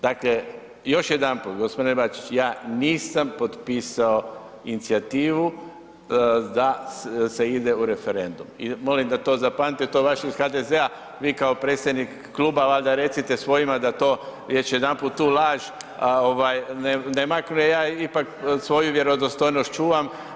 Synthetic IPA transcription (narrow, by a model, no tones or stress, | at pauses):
d̪akle | jo̞ʃje̞d̪anpuːt̪ɡo̞spod̪inbat͡ʃit͡ʃjaːniːsampo̞d̪piːsao̞ | init̪siat̪iːʋu | d̪aseid̪euɾe̞fe̞ɾe̞nd̪umḭmo̞limd̪at̪o̞ːzapanit̪et̪oːʋaʃeisxad̪ezea | ʋiːkao̞pɾet̪sʲjed̪nikːlˠuːbaʋalʲd̪aɾe̞t̪sit̪esʋo̞jimad̪at̪o̞ː | jet͡ʃje̞d̪anpuːt̪ːuːlaːʒ | o̞ʋajnenemaknujejaːipaksʋo̞juʋje̞ɾo̞d̪ost̪o̞jnost̪t͡ʃuːʋam